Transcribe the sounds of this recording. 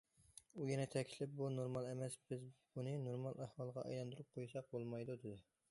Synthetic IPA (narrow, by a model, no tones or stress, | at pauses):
ujɛnɛt̪ʰɛkʲʰlɪp̚bunoɾmɑlˠɛmɛsb̥ɪzbunɨnoɾmɑlˠʔæhwɑlˠəʁɑʔɑ̰jɑnd̪uɾup̚qʰojusɑq̚bolˠmɑjd̪ud̪ɪd̪ɪ